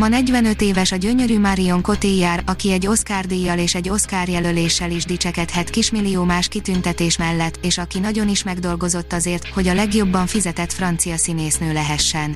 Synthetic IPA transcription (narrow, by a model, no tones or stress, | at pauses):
mɒnɛɟʋɛnø̞t̪eːvɛʃɒɟø̞ɲø̞ɾymaɾio̞ŋko̞t̪ijːaːɾɒkiɛɟːo̞skaːrd̪ijːɒleːʃɛɟːo̞skaːrjɛlø̞leːʃːɛliʒd̪it͡ʃɛkɛt̪hɛt̪kiʃmilːioːmaːʃkit̪ynt̪ɛt̪eːʃmɛlːɛt̪ːeːʃɒkinɒɟo̞niʃmɛɡd̪o̞lɡo̞zo̞t̪ːɒzeːrt̪ho̞ɟɒlɛɡjo̞bːɒɱfizɛt̪ɛt̪frɒnt̪sijɒsineːsnøːlɛɦɛʃːɛn